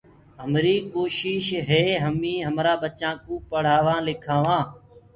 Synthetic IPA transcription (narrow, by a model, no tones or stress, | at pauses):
ɦəmɾiːkoːʃɪʃɦeːɦəmĩːɦəmɾaːbət͡ʃãːkũːpəɽ̤aːʋãːlɪkʰãːʋãː